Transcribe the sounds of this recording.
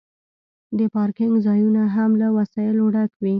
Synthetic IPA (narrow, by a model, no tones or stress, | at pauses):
d̪əpɑɾkɪŋɡzɑjunaɦamlawasɑjɪloɽakwi